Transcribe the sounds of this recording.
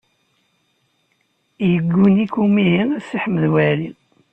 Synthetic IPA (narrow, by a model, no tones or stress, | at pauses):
jəɡːunikumiɦinæsiħəmðwæɾi